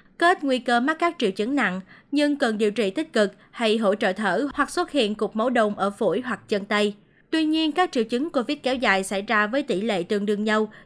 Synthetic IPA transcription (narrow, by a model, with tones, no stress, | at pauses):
ke˦˥t̚ŋwi˧kəː˧ma˦˥t̚kaː˦˥k̚t͡ɕḭ˧˨əwt͡ɕɨ˨˦ŋna̰˧˨ŋɲɨ˧ŋkə˨˩nɗi˨əwt͡ɕḭ˧˨t̪ï˦˥k̟̚kɨ˨˩k̚ha˧jɦo̰˧˨t͡ɕə̰ː˧˨t̪ʰəː˧˩hwa˨˩k̚swə˦˥t̚hḭ˧˨ənku˨˩k̚mə˨˦wɗə̰˧˨wŋ͡mʔəː˧˩fṵ˧˩jɦwa˨˩k̚t͡ɕə˧nt̪ə˧j | t̪wi˧ɲi˧ənkaː˦˥k̚t͡ɕḭ˧˨əwt͡ɕɨ˨˦ŋko˧vi˦˥t̚kɛ˨˦wza̰ː˧˨˩jsa˧˩jzaː˧vəː˨˦jt̪i˧˩lḛ˧˨t̪ɨ˨˧˩əŋɗɨ˧əŋzə˧w